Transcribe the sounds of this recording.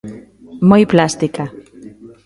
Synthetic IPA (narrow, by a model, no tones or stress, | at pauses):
mojplast̪ika